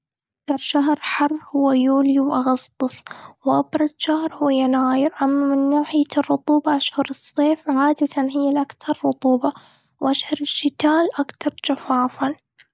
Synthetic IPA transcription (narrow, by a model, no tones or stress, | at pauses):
ʔakt̪ɑɾˤʃaɦɾˤħɑrˤːhʊwːajuːliwʔɑɣɑsˤt̪ˤɨsˤwʔɑbɾˤɑzʃahɾˤhʊwjːanaːjɪɾʔamːamɪnːaːħɪjarˤːʊt̪ˤuːbɑʔaʃhɑɾɨsˤːeːfʕaːd̪at̪anɦɪjːalʔakt̪ɑɾˤːʊt̪ˤuːbɑ | wʔaʃhɑɾˤɪʃːɪt̪aːlʔakt̪ɑɾˤd͡ʒafaːfan